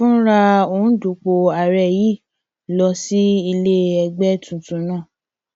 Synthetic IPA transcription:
fũ˦ɾa˧o˧˨ũ˦du˨˦k͡po˧a˨ɾɛ˦˨ji˦˨ | lɔ˧si˦i˧le˦ɛ˧ɡ͡bɛ˦tũ˨tũ˨˧˦nãː˦˨

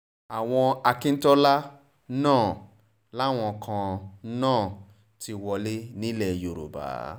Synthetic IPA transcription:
a˨w̃ɔ̃˧a˧kĩ˦n̩˦tɔ˦la˦ | nãː˦˨ | la˦˨w̃ɔ̃˧kʰã˧nãː˦˨ | ti˧wɔ˧le˦nĩ˦lɛ˦˨jo˨ɾo̰˨ba̰ː˨˦

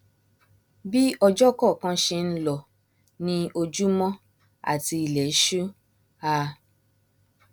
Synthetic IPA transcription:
bi˦ɔ˧d͡ʒɔ˦kɔ˦˨kã˦ʃe˧n̩˦lɔ˧˨ | nĩ˧o˧d͡ʒu˦mɔ̃˦ | a̰˦˨ti˧i˧lɛ˨˦ʃu˦ | a˧

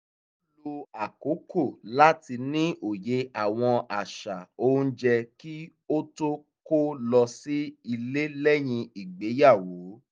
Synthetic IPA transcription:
lo˧a˨ko˨˦ko˦˨la˦ti˧nĩ˦ʔo˦˨je˨˦a˨w̃ɔ̃˧a˨ʃa˨õ˦d͡ʒɛ˧ki˦ | o˦to˦ | ko˦lɔ˧si˦i˧le˦lɛ˦j̃ĩ˧i˨ɡ͡be˨˦ja˦˨wo˨˦

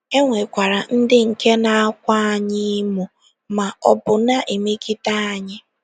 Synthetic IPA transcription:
e˦ŋʷe˨kʷa˨ɾa˨n̩˦dɪ˦ŋ̩˨ke˦na˨a˦kʷa˦a˨ɲɪ˦mu˨ | ma˨ɔ˦bʊ˨na˦ʔe˨me˦ki˦ta˦a˨ɲɪ˦

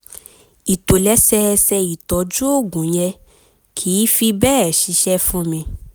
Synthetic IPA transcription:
i˨to˨lɛ˨˦sɛ˧sɛ˧i˨tɔ˨˦d͡ʒu˦o˦˨ɡũ˨˦j̃ɛ˧ | kʰi˨˦fi˧bɛː˦˨ʃi˨˧˦ʃɛ˦fũ˦mĩ˧

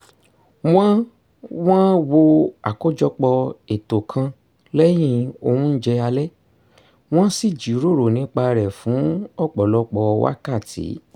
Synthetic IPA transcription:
w̃ã˦ | w̃ã˦wo˧a̰˨ko˦d͡ʒɔ˧k͡pɔ˧e˨to˨kʰã˧ | lɛ˦j̃ĩ˧o̰˧hũ˦n̩˦d͡ʒɛ˧a˧lɛ˦ | w̃ɔ̃˦si˦˨d͡ʒi˨˦ɾo˦˨ɾo˨nĩ˨˦k͡pa˧ɾɛ˨fũ˨˦ɔ˦˨k͡pɔ˨lɔ˧˦k͡pɔ˧wa̰˦ka˦˨tḭ˨˦

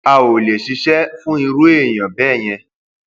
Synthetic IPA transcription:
a˨o˨le˨ʃi˧ʃɛ˦fũ˦i˧ɾo˦e˦˨j̃ã˨bɛː˦˨j̃ɛ̃˧

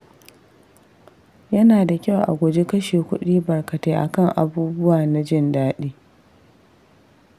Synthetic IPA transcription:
jɐ˦naː˨da˨kʲɐ˦˨wʔa̰˨ɡʷɔ˨d͡ʒe˦kɐ˦ʃeː˨kʷʊ˦ɗiː˦bɐ˨rkɐ˨teː˦ʔa̰˨kɐ˦˨ŋʔa̰˨buː˦bʊ˦waː˨na˨d͡ʒɪ˦˨ndaː˦ɗiː˦

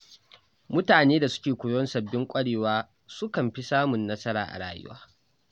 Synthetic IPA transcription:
mʊ˦taː˨neː˦da˨sʊ̥˦kʲeː˨kʷʊ˨jɔ˦nsɐ˨bːɪ˦ŋkʷʼɐ˦ɽeː˨waː˦ | sʊ˦kɐ˨mɸi˦saː˦mʊ˨nːɐ˦sɐ˦ɾa̰ː˨ʔa̰˨ɽa̰ː˦jʊ̰˦wa̰ː˦

